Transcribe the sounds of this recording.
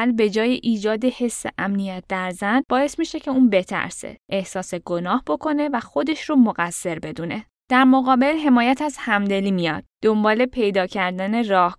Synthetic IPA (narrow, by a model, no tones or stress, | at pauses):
lbe̞d͡ʒɒːjeʔiːd͡ʒɒːd̪e̞he̞sːeʔæmnijæt̪̚d̪æɾzænb̥ɒːje̞smiːʃe̞cʰe̞uːnbe̞t̪ʰæ̰ɾsḛʔehsɒːse̞ɡonɒːhbo̞kʰo̞ne̞væxo̞d̪e̞ʃromoɣæsːe̞ɾbe̞d̪uːne̞ | d̪̥æɾmoɣɒːbe̞lɦe̞mɒːjæt̪ʰæzhæmd̪e̞liːmijɒ̰d̪̥̚d̪̥ombɒːle̞pʰe̞jd̪ɒːcʰæɾd̪æne̞rɒːh